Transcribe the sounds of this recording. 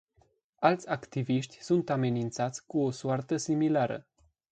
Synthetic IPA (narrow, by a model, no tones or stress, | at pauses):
alt̪sʲakt̪iviʃt̪ʲsunt̪ame̞nint̪sat̪sʲkuo̞suart̪əsimilaɾə̰